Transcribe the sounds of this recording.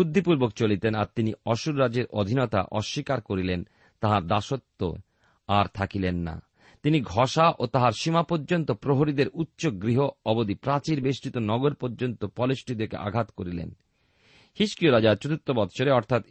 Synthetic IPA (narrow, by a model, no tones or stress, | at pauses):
ud̪ʱːipuɾbokt͡ɕolit̪ena̰ɾt̪iniɔʃuɾːad͡ʑeɾʔod̪ʱinot̪a̰ʔɔʃːikaɾkoɾilen | t̪aɦaɾd̪aʃot̪ːo̰ | aɾt̪ʰakilenːa̰ | t̪iniɡʱɔʃaʔot̪aɦaɾʃimapoɾd͡ʑont̪opɾoɦoɾid̪eɾutːɕoɡɾiɦoɔbod̪ipɾat͡ɕiɾbeʃʈit̪onɔɡoɾpoɾd͡ʑont̪opɔleʃʈid̪ekḛʔa̰ɡʱat̪koɾilḛn | hiʃkioɾad͡ʑaɾt͡ɕot̪ut̪ːobɔt̪t͡ɕʰoɾeɔɾt̪ʰat̪